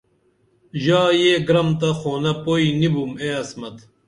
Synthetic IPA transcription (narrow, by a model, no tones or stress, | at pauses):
ʑaːjeːɡɾɐmt̪ɐxoːnɐpoinibumeːɐsmɐt̪